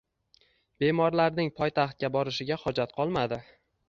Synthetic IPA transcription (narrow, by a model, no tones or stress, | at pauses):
be̞mɒɾlaɾnɪŋpʰɒjt̪ʰaχt̪̚kʲabɒɾɪʃɪɡʲahɒd͡ʒat̪̚qʰɒlˠmad̪ɪ